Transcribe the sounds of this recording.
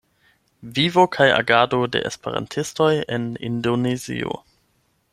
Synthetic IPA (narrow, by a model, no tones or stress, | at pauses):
vivo̞kʰaja̰ɡadode̞̰ʔḛspeɾa̰ntʰisto̞jenḭndonezḭo̞̰